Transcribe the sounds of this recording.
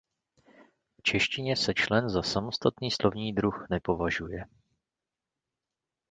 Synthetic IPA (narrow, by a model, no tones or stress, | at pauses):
ft͡ʃɛʃcɪɲɛsɛt͡ʃlɛnzasamo̞st̪at̪niːslʔo̞vɲiːd̪ɾuxnɛpo̞vaʒujɛ